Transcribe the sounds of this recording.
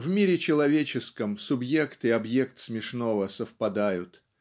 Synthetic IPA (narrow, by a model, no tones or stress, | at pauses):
vmʲiɾʲɪt͡ɕɪlˠɐvʲet͡ɕɪskəmsʊbje̞kt̪ɨɐbje̞kt̪smʲɪʂno̞vəsəfpɐd̪ajʊt̪